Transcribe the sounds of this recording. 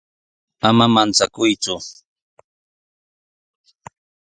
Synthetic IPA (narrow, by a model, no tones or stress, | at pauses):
amamant͡sakʊjt͡sʊ